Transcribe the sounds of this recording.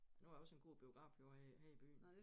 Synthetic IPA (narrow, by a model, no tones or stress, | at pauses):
nujɒ̽se̝nɡ̥o̝̰ːb̥io̝ɡ̥ʁɑ̰̈ːfjo̝ɐheib̥y̰ːn̩